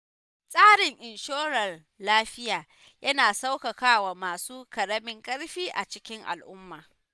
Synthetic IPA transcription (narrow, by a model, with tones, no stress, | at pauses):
sʼaː˦ɽɪ˨ŋʔɪ˨nʃoː˦ɾɐ˨r | laː˦ɸɪ˦jaː˨ | jɐ˦naː˨sa˦wkɐ˨kaː˦waː˨maː˨suː˦kɐ˨ɽɐ˦mɪ˦ŋkʼɐ˦ɽɸiː˦ʔa̰˨t͡ʃɪ˦kʲɪ˦ŋʔa̰˨lʔʊ˦mːaː˨